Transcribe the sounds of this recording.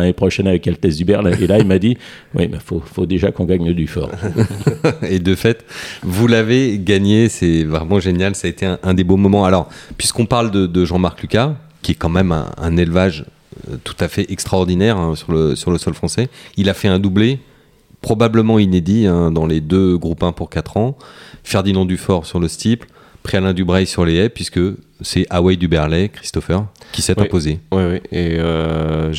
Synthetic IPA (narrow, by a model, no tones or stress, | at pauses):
nepχɔʃɛnavɛkɛlt̪ɛzd̪ybɛʁlelailmad̪iwḭmɛ̰fofod̪eʒakɔ̃ɡaɲəd̪yfɔ̰ːʁ | ed̪əfɛt̪vulaveɡaɲesɛvʁɛmɑ̃ʒenjalsaet̪eɛ̃ʔɛ̃d̪ebõmɔmɑ̃alɔʁpɥiskɔ̃paʁld̪əd̪əʒɑ̃maʁklykʲa | kʲiɛkɑ̃mɛmɛ̰̃ɛ̰̃nelvaʒ̰ | t̪u̥t̪afɛʔɛkst̪χaɔʁd̪inɛʁɛ̃syʁləsyʁləsɔlfχɑ̃sɛilafɛɛ̃d̪uble | pχɔbabləmɑ̃ined̪iɛ̃d̪ɑ̃led̪øɡʁupɛ̃puʁkat̪χɑ̃fɛʁd̪inɑ̃d̪yfɔʁsyʁləst̪ipl | pχialɛ̃d̪ybʁɛjsyʁleɛpɥiskəsɛʔawɛjd̪ybɛʁlɛkχi̥st̪ɔfœʁkʲisɛt̪ɛ̃pozewiwieø